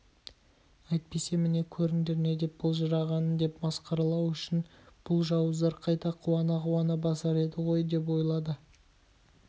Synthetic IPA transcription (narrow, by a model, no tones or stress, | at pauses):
ɑjt̪̚pe̞se̞mɪne̞kʲʰɵɾɪŋd̪e̞ɾne̞d̪e̞p̚bolˠʒɑɾɑʁɑnənd̪e̞pmɑsqɑɾɑlˠɑwʏʃɪn | b̥ʊlˠʒɑwəzd̪ɑɾqʰɑjt̪ɑqʰuwɑnɑʁʊwɑnəbɑsɑɾe̞d̪ɪʁo̞jd̪e̞p̬wo̞jlˠɑd̪ə